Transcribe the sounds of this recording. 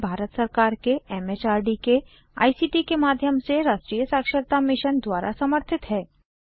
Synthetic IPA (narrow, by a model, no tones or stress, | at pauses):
bʱaːɾət̪səɾkaːɾkeɛmet͡ʃaːɾɖike | a̰ːisiːʈikemaːd̪ʱjəmseɾaːʃʈɾiːjəsaːkʃəɾt̪amɪʃənd̪waːɾʔa̰sɐməɾt̪ʰɪt̪ɦɛː